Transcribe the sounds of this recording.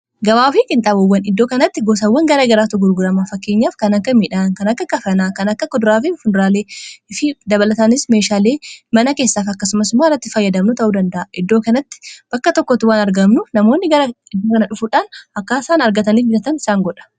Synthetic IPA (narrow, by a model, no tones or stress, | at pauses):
ɡɐwaːfiːkʼɪnt̪ʼaːbɔwːɐnɪd̪ːo̞ːkɐnɐt̪ːɪɡos̬ɐwːɐŋɡɐɾeːɡɐɾaːt̪ʊɡʊɾɡʊɾɐmaːfɐkːe̞ːɲːaːfkɐnɐkːɐmiːᶑankɐnɐkːɐkɐfɐnaːkɐnɐkːɐkːɔd̪ʊɾaːfifʊd̪ɾaːle̞ːɪfɪd̪ɐβɐlɐt̪aːnɪsmeːʃaːle̞ːmɐnɐke̞ːsːaːfɐkːɐsʊmɐsʊmaːrːɐt̪ːɪfɐjːɐd̪ɐmnʊt̪ɐʔuːd̪ɐnd̪ɐʔʔɪd̪ːoːkɐnɐt̪ːɪ̥b̥ɐkːɐt̪ɔkːɔt̪ːɪwaːnɐɾɡɐmnʊnɐmo̞ːnːɪɡɐɾɐɪd̪ːoːkɐnɐᶑʊfuːᶑaːnɐkːaːɪsaːnɐɾɡɐt̪ɐniːfbɪɐt̪ɐnɪ̥saːŋɡɔᶑɐ̥